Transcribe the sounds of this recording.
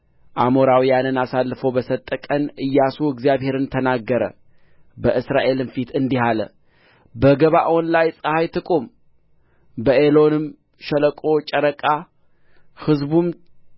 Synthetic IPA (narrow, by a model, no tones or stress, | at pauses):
ʔamoɾawijanɨnasalːfəwbəsət̪ʼːəkʼənʔɨjːasuɨɡzijaβhe̞ɾɨnt̪ʰənaɡːəɾə̰ | bəʔɨsɾaʔe̞lɨnfit̪ɨnd̪iɦalə̰ | bəɡəβaʔwɔnlajsʼəhajt̪ʰɨkʼum | bəʔelo̞nɨm | ʃələkʼo̞t͡ʃʼəɾəkʼa | hɨzbum